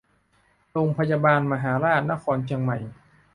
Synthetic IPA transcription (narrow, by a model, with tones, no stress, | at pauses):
ɾoː˧ŋpʰa˧ja˧baː˧nma˧ɦaː˩˦ɾaː˥˩t̪̚na˦˥kʰɔː˧nt͡ɕʰi˧əŋma˨˩j